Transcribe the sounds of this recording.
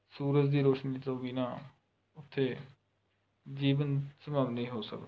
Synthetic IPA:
suːɾət̪d̪iːɾoːʃniːt̪õːbiːnaː | ʊt̪ʰːeː | d͡ʒiːʋənsəmaːmnĩːɦoːsə̰kd̪

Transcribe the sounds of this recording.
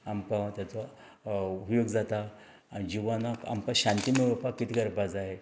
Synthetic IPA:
ampat̪jat͡so | upjoɡd͡zat̪aː | id͡ʑiʋanaka̰mpaɕãnt̪imeʋəpakːit̪ʰiɡəɾpad͡zaɦe

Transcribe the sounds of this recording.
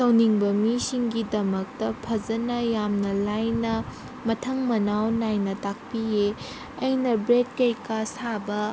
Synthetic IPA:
sɐwniŋbɐmisiŋɡidɐmɐk̚tɐpʰɐd͡ʒɐnɐjamnɐlajnɐ | mɐtʰɐŋmɐnawnajnɐtak̚pije | ɐjnɐbɾed̚kɐjkasabɐ

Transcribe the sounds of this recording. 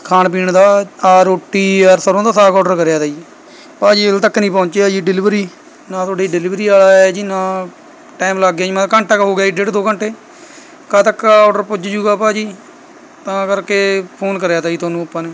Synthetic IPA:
kʰaːnp̬iːɳd̪aːaːɾoːʈːiːəɾsəɾõːd̪aːsaːkɔːɖəɾkəɾjaːt̪aːiː | paːd͡ʒiːɪlt̪əkːnĩːp̬ɔ̃ːɲt͡ʃeːad͡ʒiːɖɪlɪʋɾiː | nãːt̪ʰoːɖeːiɖɪlɪːʋɾiːaːlaːɛːd͡ʒiːnãː | ʈaːmlaɡjaːimãkəɳʈakɦoːɡɪjaːiːɖeːʈd̪oːkəɳʈʰeː | kaːt̪əkːaɔːɖəɾpʊd͡ʒd͡ʒuːɡaːpaːd͡ʒiː | t̪ãːkəɾkeːpʰoːnkəɾjaːt̪aːiːt̪ʰaːnũːəpːãːneː

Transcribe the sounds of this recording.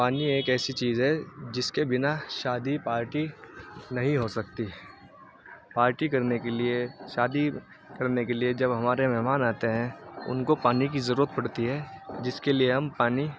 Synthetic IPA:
paːnieːkɛːsit͡ʃiːzɦɛd͡ʒɪskebɪnaʃaːd̪ipaːɾʈinɐɦĩɦosɐk̚t̪iɦ | paːɾʈikɐɾnekelieʃaːd̪i | kɐɾnekelied͡ʒɐbɦɐmaːɾemɛɦmaːnaːt̪eɦɛ̃ʊ̰nkopaːnik̬izɐɾuːɾət̪̚pɐɽt̪iɦɛːd͡ʒɪskelieɦɐmpaːni

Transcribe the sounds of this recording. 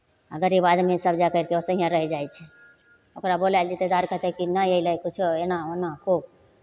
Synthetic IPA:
əɡəɾibad̪mesəbd͡ʒakəɾkeosəɦijãɾəɦɛd͡ʒajt͡ʃʰɛ | okɾabolajld͡ʒit̪ed̪aɾkəɦt̪ɛkinajejləjkut͡ʃʰoenaonakob

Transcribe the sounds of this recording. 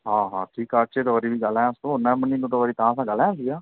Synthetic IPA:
ɦãːɦãːʈʰiːkaːt͡ʃeːt̪oʋəːɾiːbiːɡəlɛ̃ːʊst̪õːɦʊnɛ̃ːməniːnũːt̪oəɾiːt̪ãːsãːɡəlɛ̃s̬iːɡaː

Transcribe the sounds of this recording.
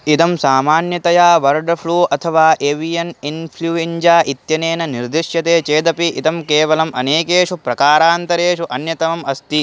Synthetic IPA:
it̪ɐmsaːmaːnjɐt̪ɐjaːʋɐɾɖpʰɭuːɐt̪ʰɐʋaːʔeʋijɐninpʰluːeɲd͡ʒaːʔit̪jɐneːnɐniɾd̪iʂjɐt̪eːt͡ʃeːd̪ɐpiʔit̪ɐmkeːʋɐlɐmʔɐneːkeːʂupɾɐkaːɾaːnt̪ɐɾeːʂuʔɐnjɐt̪ɐmɐmɐst̪i

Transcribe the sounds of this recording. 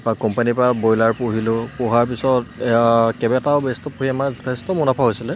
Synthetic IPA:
pakɔmpanipɹabojlaɹpoɦilʊpɔɦaɹpisɔtkɛbɛtaʊbestɔpoɦiɛmazɔtʰɛstɔmɔnɔpʰaɦojsilɛ

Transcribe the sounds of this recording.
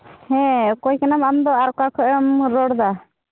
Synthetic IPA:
hɛ̃kɔjkɛnamamd̪ɔaɾkakʰɔʔmɾɔɽd̪a

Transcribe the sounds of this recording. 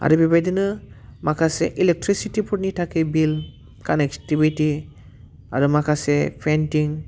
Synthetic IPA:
a̰ɾubibajdɯnɯmakʰaseʔilek̚tɾisitipʰuɾ̚nitʰakʰebil | kanektibiti | a̰ɾumakʰasepʰentiŋ

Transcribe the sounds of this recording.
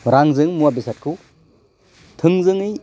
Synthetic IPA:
ɾaŋzɯŋmuabisat̚kʰu | tʰɯŋzɯŋɯj

